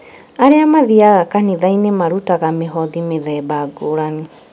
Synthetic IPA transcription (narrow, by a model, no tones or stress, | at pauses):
aɾeamaðiaɣakaniðainemaɾutaɣameɦɔðimeðɛːbaɡoɾani